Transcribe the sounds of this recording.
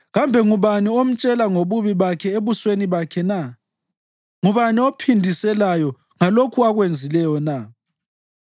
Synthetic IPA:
ɣambʱɛŋuβaniom̩t͡ʃʼɛlaŋoβuβiβakʰɛeβusweniβakʰɛna | ŋuβaniopʰindʱisɛlajɔ | ŋalokʰuaɣwend͡zʱilɛjɔna

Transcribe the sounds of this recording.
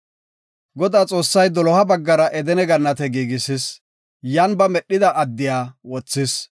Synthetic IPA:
ɡɔd̪aːt͡sʼo̞ːsːɐjd̪ɔlɔhɐbɐɡːɐɾɐʔɛd̪ɛnɛɡɐnːɐt̪ɛɡiːɡɪsɪs | janbɐmɛɗːɪd̪ɐʔɐd̪ːɪjaːwɔt͡sːɪs

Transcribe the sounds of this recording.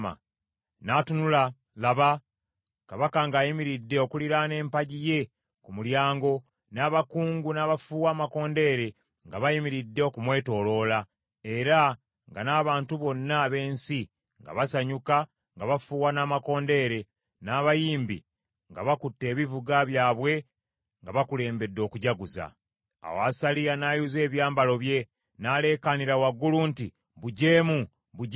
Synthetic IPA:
ma̰ | naːtunula | laβa | kaβakaŋɡaːjimiɾidːe̞o̞kuliɾane̞ːmpaɟije̞ | kumuljaːŋɡo̞ | naːβakuːŋɡunaβafuːwaːmako̞ːnde̞ɾe̞ | ŋɡaβajimiɾidːe̞okumwe̞ːto̞ːlo̞ːla | e̞ɾa | ŋɡanaːβaːntuβo̞nːaβe̞ːnsi | ŋɡa̰βasaɲuka | ŋɡaβafuːwanaːmako̞ːnde̞ɾe̞ | naːβajiːmbḭ | ŋɡaβakutːe̞ːβivuɡaβjaːβwe̞ | ŋɡaβakule̞ːmbe̞dːo̞ːkuɟaɡuza̰ | a̰wasalijanaːjuze̞ːβjaːmbalo̞βje̞ | nale̞ːkaniɾawaɡːulunti | βuɟeːmu | βu

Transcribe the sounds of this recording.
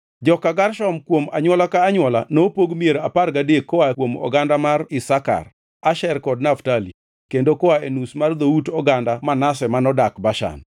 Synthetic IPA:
d͡ʒɔkaɡarʃɔmkwoma̰ɲwɔlakaːɲwɔlanopoɡmieɾaparɡadekːɔwakwomɔ̰ɡandamarɪsaka̰r | aʃɛrkɔdnaftali | kendokɔaenusmard̪outɔɡandamanasɛmanɔdakbaʃa̰n

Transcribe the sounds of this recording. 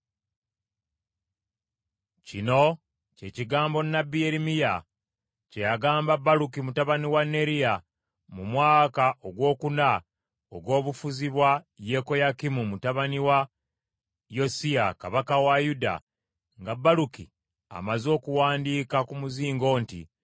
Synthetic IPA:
cino̞ | ce̞ːciɡaːmbo̞nːabːijeɾimija | cejaɡaːmbabːalukimutaβaniwanːe̞ɾija | mumwaːkaʔoɡwo̞ːkuna | o̰ɡwo̞ːβufuziβwaje̞ko̞jakimumutaβaniwa | jo̞siakaβakawajuda̰ | ŋɡabːalukḭ | a̰mazo̞ːkuwaːndiːkakumuziːŋɡo̞ːntḭ

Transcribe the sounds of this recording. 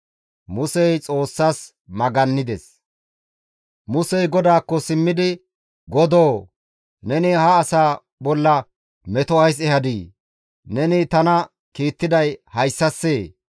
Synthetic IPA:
mʊsɛjt͡sʼo̞ːsːaːs | mɐɡɐnːɪd̪ɛs | mʊsɛjɡɔd̪aːkːɔsɪmːɪd̪ɪ | ɡɔd̪oː | nɛnɪhɐːsaː | bɔlːɐ | mɛt̪ɔɐjs̬ɛhɐd̪iː | nɛnɪt̪ɐnɐ | kiːt̪ːɪd̪ɐjhɐjsːɐsːeː

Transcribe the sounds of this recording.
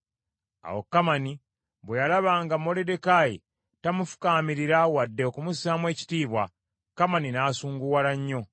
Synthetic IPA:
a̰wo̞̰kːamani | βwejalaβaːŋɡamo̞lede̞kajḭ | tamufu̥kaːmiɾiɾawadːe̞okumusaːmwe̞ːci̥tiːβwa | kamaninaːsuːŋɡuwalaɲːo̞

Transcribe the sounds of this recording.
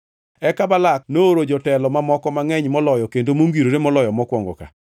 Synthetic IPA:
ɛkabalaknooɾod͡ʒɔtɛlɔmamɔkɔmaŋɛɲmɔlɔjɔkendomoŋɡiɾoɾemɔlɔjɔmɔkwɔŋɡɔ̰ka̰

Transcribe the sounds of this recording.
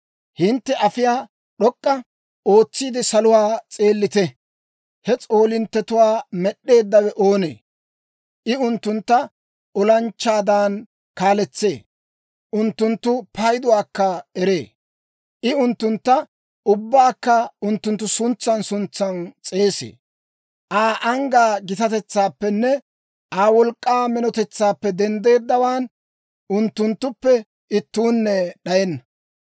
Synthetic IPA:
hɪnt̪ːɛʔɐfɪjaː | ɗɔkʼːɐ | o̞ːt͡sːiːd̪ɪsɐlʊwaːt͡sʼeːlːɪt̪ɛ | hɛt͡sʼo̞ːlɪnt̪ːɛt̪ʊwaːmɛɗːe̞ːd̪ːɐwɛʔo̞ːnḛː | ʔɪʊnt̪ːʊnt̪ːɐ | ʔɔlɐnt͡ʃːaːd̪aːn | kaːlɛt͡sːḛː | ʔʊnt̪ːʊnt̪ːʊpɐjd̪ʊwaːkːɐɛɾeː | ʔɪʊnt̪ːʊnt̪ːɐ | ʔʊbːaːkːɐʊnt̪ːʊnt̪ːʊsʊnt͡sːɐnsʊnt͡sːɐnt͡sʼeːsḛː | ʔaːʔɐŋɡaːɡɪt̪ɐt̪ɛt͡sːaːpːɛnːɛ | ʔaːwɔlkʼːaːmɛnɔt̪ɛt͡sːaːpːɛd̪ɛnd̪e̞ːd̪ːɐwaːn | ʔʊnt̪ːʊnt̪ːʊpːɛ | ʔɪt̪ːuːnːɛɗɐjɛnːɐ

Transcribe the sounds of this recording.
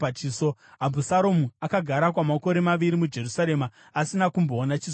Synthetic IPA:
at͡ʃiːsoɦabʱusaɾomuakaɡʱaɾak̬wamako̞ɾe̞maʋiɾimud͡ʒe̞rusaɾe̞maː | sinakumbo̞ːnat͡ʃis

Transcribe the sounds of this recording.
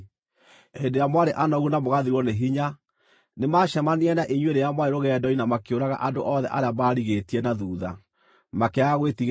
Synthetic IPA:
hendeɾjamwaɾeʔanɔɣunamoɣaðiɾwɔneɦiɲa | nemaːʃamaniɛnaʔiɲweɾejamwaɾeɾoɣɛdɔinamakeoɾaɣa̰ʔandoʔɔðɛ̰ʔaɾeamaːɾiɣetiɛnaðuːða̰ | makɛaɣwetiɣ

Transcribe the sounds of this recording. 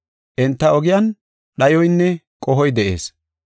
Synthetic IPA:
ʔɪnt̪ːɐɔɡɪjɐn | ɗɐjɔjnːɛ | kʼɔɦɔjd̪ɛʔḛːs

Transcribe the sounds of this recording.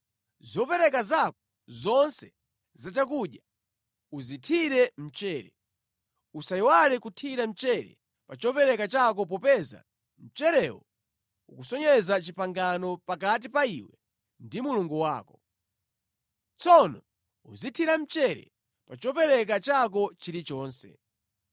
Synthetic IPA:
zɔpɛɾɛkazakɔ | zɔnsɛ | zat͡ʃakuɗja | uzitʰiɾɛm̩t͡ʃɛːɾɛ | usaiwalɛkutʰiɾam̩t͡ʃɛɾɛ̰ | pat͡ʃɔpɛɾɛkat͡ʃak̬ɔp̬ɔpɛza̰ | m̩t͡ʃɛɾɛwɔ | ukusɔɲɛzat͡ʃipaŋɡanɔpakat̬ipaiwɛ | ndimuluŋɡuwa̰ːkɔ | t͡sɔnɔ | uzitʰiɾam̩t͡ʃɛɾɛ̰ | pat͡ʃɔpɛɾɛk̬at͡ʃak̬ɔt͡ʃiɾit͡ʃɔːnsɛ̰

